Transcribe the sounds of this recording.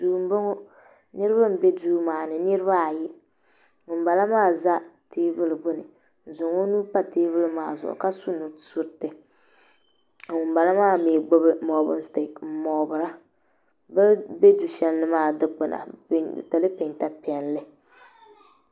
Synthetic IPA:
duː˨m˦bo˦ŋo˦ | nɨ˦ɾɨ˦ba˦m̩˦be˦duː˦maː˨nɨ˨nɨ˦ɾɨ˦βa˦˨ji˦ | ŋʊ˨m˦ba˨la˦maː˦˨za˦tiː˦bɨ˦lɨ˨bʊ˦nɨ˨ | n̩˨zʊ˨ŋo˦nuː˦pa˦tiː˦bɨ˦lɨ˨maː˦˨zʊ̰˨ʔʊ̰˨ka˦su˦no˨su˦ɾtɨ˨ | ŋʊ˨mba˨la˦maː˦˨meː˨ɡ͡bo˦bɨ˦mɔ˨˦bʊ̰˦nste˨km̩˦mɔ˨bɨ˨ɾa˦ | bɛ˦be˦du˨ʃɛ˦nːɨ˦maː˦˨dɨ˦k͡pɨ˨na̰˨˦˨ta˨lɨ˦pe˨nta˦pɛ˨nlɨ˦

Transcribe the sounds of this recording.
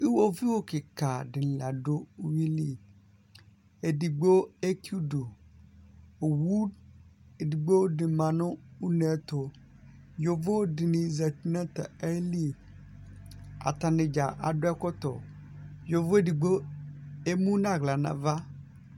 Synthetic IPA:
i˦wo˦vi˦wo˦kɪ˨ka˨dɪ˨nɪ̃˨la˨do˦u˦wi˦li˦ | e˨di˨ɡ͡bo˦e˦ku˦do˨ | o˨wu˦ | e˨di˨ɡ͡bo˦dɪ˨mã˨nʊ̃˦u˦nɛ˨˦t̪ʊ˨ | jo˨vo˦dɪ˨nɪ̃˨za˨ti˨nã˦t̪a˨ɛ˦li˦ | a̰˨t̪a˨nɪ̃˨d͡ʒa˨ʔa˨dʊ˦ɛ˦kɔ˦t̪ɔ̰˨jo˨vo˦e˦di˨ɡ͡bo˦ | e˦mũ˦nã˦˨ɡla˨nã̰˨va˦

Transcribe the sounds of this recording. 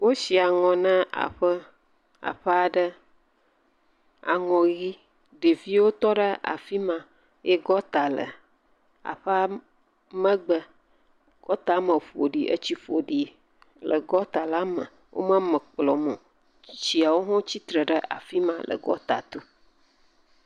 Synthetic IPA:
wo˦si˨a˨ŋɔ̃˨nã˦ʔa̰˨ɸə˦ | a̰˨ɸə˦a˨ɖə˦ | a̰˨ŋɔ̃˨ɣi˦ | ɖe˨vi˦wo˦t̪ɔ˦ɖə˦a̰˨fi˦mã˨ | je˦ɡɔ˦t̪a˨lə̰˨ | a̰˨ɸə˦a˦ | mə̃˦ɡ͡bə˦ | ɡ̥ɔ˦t̪a˨˦mə˨ɸo˨ɖi˨ʔə̰˦t͡ɕi˦ɸo˨ɖi˨ | lə˨ɡɔ˦t̪a˨la˦mə̰˨ | wʔo̰˦mã˦mə̃˨k͡plɔ˨mõ˨ | t͡ɕi˨a˨wo˦ɦɔ̃˦t͡ɕi˦t̪ɾə˨ɖə˦ʔa̰˨fi˦mã˦lə̰˨ɡɔ̰˦t̪a̰˨t̪o˦

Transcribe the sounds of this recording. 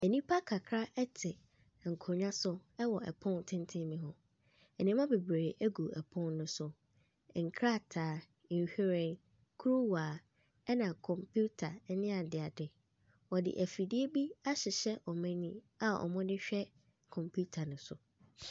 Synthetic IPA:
ɛ˨nĩ˦pʰa˦kʰa˨kʰɾa˦ʔɛ˦tʰɪ˨ | ŋ̩˨kʰʊ˨ɲã˦sʊ˦ɛ˦wɔ˨ʔɛ̰˨pʰʊ̃˦n˨tʰɪ̃˦n˦tʰɪ̃˦mĩ˨ɦʊ̃˨ | ɛ˨nĩ˦mã˦be˨bɾe˨ʔæ˦ɡu˨ɛ˨pʰʊ̃˦nːʊ̃˦sʊ˨ | ŋ̩˨kʰɾa˦˨tʰaː˨˦˨ | hᶣi˦ɾɛ̃˦˨n | kʰu˦ɾu˦waː˨ | ɛ˦nã˨kʰɔ̃˨mpʰu˦tʰa˨˦nɪ̃˦a˨dɪ˨a˨dɪ˨ | wɔ˨dɪ̰˨ʔæ˨fi˨di˦e˦bi˦a˦ɕɪ˨ɕɛ˦ʔɔ˨mɛ̃˦nĩ˦ | a˨ɔ̰˨mʊ̃˦dɪ˦ɕᶣɛ˦ | kʰɔ̃˨mpʰu˦tʰa˨nʊ̃˦sʊ̰˨

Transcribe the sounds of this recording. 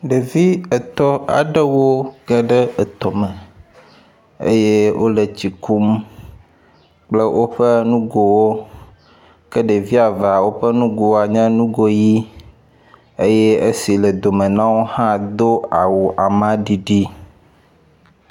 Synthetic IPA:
ɖə˨vi˦ə˨t̪ɔ˦a̰˨ɖə˦wo˦ɡ̥ə˦ɖə˦ə˨t̪ɔ˨mə̃˨ | ḛ˦je˦wʔo̰˦lə˨t͡ɕi˨ku˦m | k͡plə˦wʔo˦ɸə˦nũ˦ɡo˨wo˦ | kə˦ɖə˨vi˦a˨va˨wo˦ɸə˦nũ˦ɡo˨wa˨ɲɛ̃˦nũ˦ɡo˦ji˦ | ə˦je˦ə˦si˨lə˨d̪o˨mə̃˨nã˦wo˦hã˦d̪o˦a˨wo˨ʔa˨mã˦ɖi˨ɖi˦

